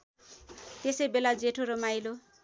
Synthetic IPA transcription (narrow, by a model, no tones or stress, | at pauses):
t̪esʌjbelad͡zeʈʰoɾʌmajlo